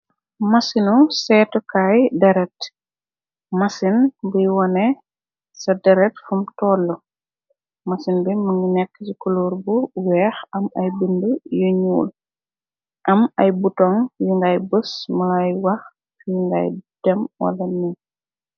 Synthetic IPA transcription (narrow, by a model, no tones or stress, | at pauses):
mɐsinusɛtukajdɐɾɛt | mɐsinbujwɔnɛ | sɐdɐɾɛtfumtɔːlːɔ | mɐsinbiməŋɡinɛkːsikuluːɾbuwɛːxɐmɐjbəndəjuɲṵːl | ʔɐmɐjbutɔŋjiŋɡajbəsmɐlajwɐx | fjiŋɡa̰jd̥ɛmwɐ̰lɐni